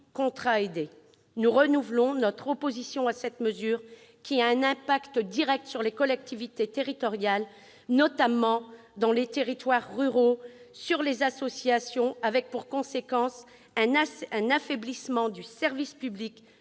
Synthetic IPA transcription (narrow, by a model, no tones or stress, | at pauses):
kɔ̃t̪χaed̪e | nuʁənuvlɔ̃nɔt̪χɔpozisjɔ̃asɛt̪məzyʁ | kʲiaɛ̃nɛ̃pakt̪əd̪iʁɛk̚t̪syʁlekɔlɛk̚t̪ʰivit̪et̪eʁit̪ɔʁjal | nɔt̪amɑ̃ | d̪ɑ̃let̪eʁit̪waʁːyʁosyʁlezasɔsjasjɔ̃avɛk̚puʁkɔ̃sekɑ̃s | ɛ̃ɛ̃nafeblismɑ̃d̪ysɛʁvispyblik